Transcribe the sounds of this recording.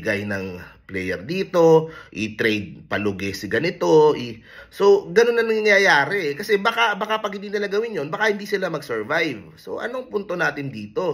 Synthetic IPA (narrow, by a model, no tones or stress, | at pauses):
ɡɐjnɐŋplɛjɛɾd̪iːt̪o̞ʔit̪ɾɛjd̪̚pɐlʊɡɛsɪɡɐnɪt̪o̞ʔi | so̞ɡɐno̞nːɐŋnɐŋɪŋjajaːɾɛʔkɐsɛbakabakapɐɡ̚hɪnd̪iːnɪlaɡɐwɪnjo̞nbɐkahɪnd̪iːsɪlamɐɡsɛɹvajv | so̞̰ʔɐ̰noŋpunt̪o̞naːt̪ɪnd̪iːt̪o̞